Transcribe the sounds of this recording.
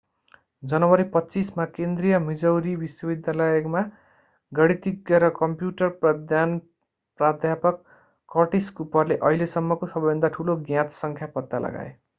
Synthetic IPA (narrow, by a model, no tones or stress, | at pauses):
d͡zʌnʌwʌɾipʌtːt͡sismakend̪rijʌmid͡zʌwɾibiswʌbid̪jalʌjekma | ɡʌɽit̪iɡjʌɾʌkʌmpjuʈʌrprʌd̪ʱjan | prad̪ʱjapʌkː | ʌʈiskupʌrleʔʌɦilesʌmːʌkosʌbʌʌnd̪aʈʰuloɡjãt̪sʌŋkʰjapʌt̪ːalʌ̰ɡa̰ḛ